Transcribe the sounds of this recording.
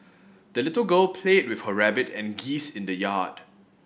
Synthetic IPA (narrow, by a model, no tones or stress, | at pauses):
d̥əlɪtəlɡəlpʰlet̚wɪfhəɹɛbɪtɛ̃nɡisɪ̃ndəjad̥